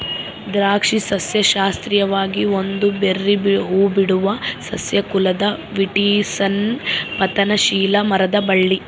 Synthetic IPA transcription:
d̪ɾaːkʂisɐsjɐʃaːst̪ɾijɐʋaːɡiond̪uberːibɦuːbiɽuʋɐsɐsjɐkulɐd̪ɐʋiʈiːsɐnpɐt̪ɐnɐʃiːlɐmɐɾɐd̪ɐbɐɭːi

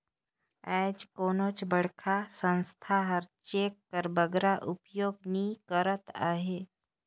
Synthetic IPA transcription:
ɛːd͡ʒkoːnot͡ʃbəɽ̤kʰasə̃nst̪ʰaɦəɾt͡ʃeːkːəɾbəɡɾaʔʊpjoːɡnĩkəɾət̪a̰ːɦeː

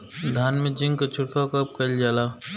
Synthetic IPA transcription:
d̪ʱaːnmẽd͡ʒĩŋɡkat͡ʃʰʊʈkʰakɐp̚kəld͡ʒaːlaː

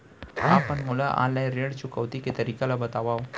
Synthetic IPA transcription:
ɦapəɳmulaʔã̰lajɾeɽt͡ɕukəʋt̪iket̪əɾikalabət̪aʋaw

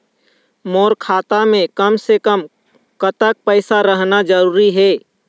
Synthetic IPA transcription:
moːɾkʰaːt̪amẽkəmsekəm | kət̪ək̚pəɪsaɾəɦnad͡ʒəɾuːɾiɦɛː

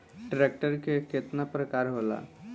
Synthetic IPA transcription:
ʈɾeːk̚ʈəɾkekɪt̪napɾəkaːɾɦoːla̰ː

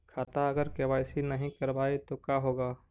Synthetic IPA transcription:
kʰaːt̪aɐɡəɾkebaːɪsinɐɦĩkɐɾbaːit̪okjaːɦoːɡaː

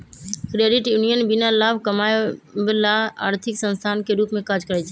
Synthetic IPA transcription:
kɾeɖiʈjunijənbinalabʱkəmaebelaa̰ɾt̪ʰiksənst̪ʰankeɾupmẽkad͡ʒkəɾɛt͡ʃʰɛ

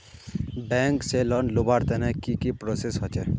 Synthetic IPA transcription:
bɛŋkselɔnlobaɾt̪ɛnɛkikipɾosesɦɔt͡ʃe

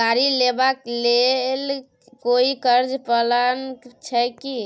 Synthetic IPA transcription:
aɾilebaklel | koikəɾd͡ʒpələnt͡ʃʰəki

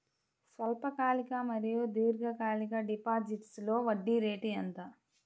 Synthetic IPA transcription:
sʋɐlpɐkaːlikɐmɐɾijud̪iːɾɡɐkaːlikɐɖipaːd͡ʒiʈslo̞ːʋɐɖːiɾe̞ːʈiɐnt̪a

